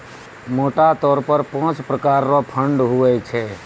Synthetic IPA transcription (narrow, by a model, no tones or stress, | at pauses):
moːʈat̪ɔːɾpəɾpãːt͡ʃpɾəkaːɾnopʰəɳɖɦʊʋɛt͡ʃʰe